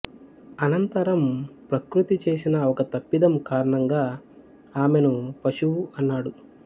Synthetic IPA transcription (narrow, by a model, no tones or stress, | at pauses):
ɐnɐnt̪ɐɾɐmpɾɐkɾut̪it͡ʃe̞ːsinɐɔkɐt̪ɐpːid̪ɐmkaːɾɐɳɐŋɡaː | aːmenupɐʃuwuɐnːaːɽu